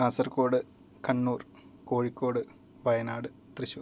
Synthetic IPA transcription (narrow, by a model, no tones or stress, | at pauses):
kaːsɐrko̞ːɽɨ | kɐɳːuːr | ko̞ːɻikːo̞ːɽɨ | ʋɐjɐnaːɽɨ | t̪rɨɕu